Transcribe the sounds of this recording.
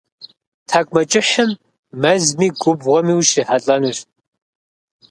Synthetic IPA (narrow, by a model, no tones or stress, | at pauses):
tʰakʷʼmɐt͡ʃʼɪħɨmː | ɐzmiːɡʷʊbʁɔmiwʃiħaɬʼɐnuːɕ